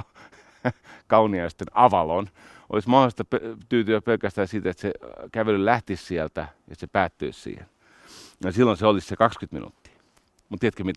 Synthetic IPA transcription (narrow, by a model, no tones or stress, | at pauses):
kɑuniɑist̪enɑʋɑlon | ʔo̰lismɑhost̪ɑpt̪yːt̪yæpelkæst̪æːsiːt̪et̪sekæʋelyllæht̪issiælt̪æjɑ̰sepæːt̪ːø̰issḭːhḛn | jɑsilːonseolissekɑkskyt̪mḭnṵt̪ːi̥ː | mut̪iet̪kømit̪æ